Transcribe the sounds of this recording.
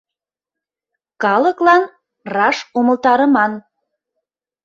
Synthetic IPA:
kɑləklɑn | rɑʃoməlˠt̪ɑɾəmɑn

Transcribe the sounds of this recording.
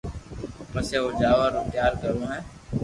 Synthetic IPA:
pəseːod͡ʒaːʋaɾʊt̪ɪjaːɾkəɾũːɦɛ̃ː

